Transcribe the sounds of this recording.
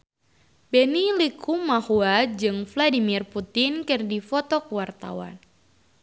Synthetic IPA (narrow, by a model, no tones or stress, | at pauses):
bɛnilikʰumahuad͡ʒɨŋfladimirput̪ɪnkɨrdifɔt̪ɔkəwart̪a̰wa̰n